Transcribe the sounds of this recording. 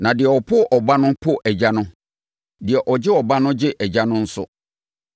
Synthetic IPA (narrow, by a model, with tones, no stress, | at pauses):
nã˨dɪ˨ɛ˨ɔ˨pʰʊ˦˨ʔɔ˨ba˦nʊ̃˦pʰʊ˦˨ʔɛ˨d͡ʑa˦nʊ̃˦ | dɪ˨ɛ˨ʔɔ˨d͡ʑɪ˦ɔ˨ba˦nʊ̃˦d͡ʑɪ˦ʔɛ˨d͡ʑa˦nʊ̃˦n̩˦sʊ̰˦